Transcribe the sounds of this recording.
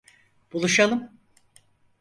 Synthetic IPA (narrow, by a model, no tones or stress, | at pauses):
b̥ulˠuʃalˠɯm